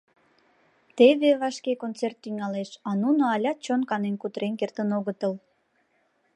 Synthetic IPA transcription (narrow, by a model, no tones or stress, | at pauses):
t̪eβeβɑʃkekont͡sert̪ːyŋɑleʃɑnunoɑlʲɑt͡ɕonkɑnenkut̪əɾenkert̪ənoɣət̪əl